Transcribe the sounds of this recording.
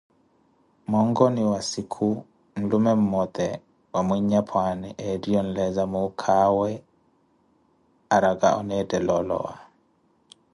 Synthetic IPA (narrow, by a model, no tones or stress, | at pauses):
mɔŋɡɔniwasikʰu | n̩lumɛmmːɔt̪ɛ | wamwiɲapʰwanɛʔɛdiɔnlɛzamokʰawɛ | aɾaɡa̰ɔ̰nɛdɛlɔlɔ̰wa̰